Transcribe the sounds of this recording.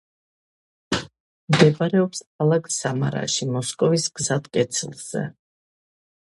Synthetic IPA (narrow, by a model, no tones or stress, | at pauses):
md̪ɛbaɾɛɔpsalˠakʼsama̰ɾa̰ʃimɔskʼɔvisɡzad̪kʼɛt̪sʰlˠz̥ɛ̰